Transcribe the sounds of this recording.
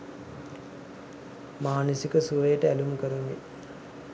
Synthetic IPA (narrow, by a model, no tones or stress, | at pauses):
maːnəsikəsuʋəjəʈəælumkəɾunḭ